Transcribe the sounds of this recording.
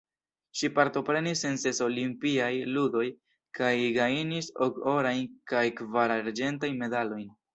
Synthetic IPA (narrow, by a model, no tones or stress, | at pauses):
ʃipaɾto̞pɾe̞nisense̞so̞limpiajludo̞j | kajɡajiniso̞ko̞ɾajnkajkvaɾaɾd͡ʒe̞ntajnme̞dalo̞jn